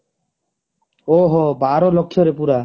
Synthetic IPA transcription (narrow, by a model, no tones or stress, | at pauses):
oɦobaɾɔlokʰːjɔɾepuɾa